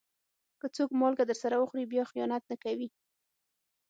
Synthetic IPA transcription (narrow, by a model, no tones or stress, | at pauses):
kət͡sokmɑlɡad̪əɾsaɾawəxɾibjɑxijɑnat̪̚nakawi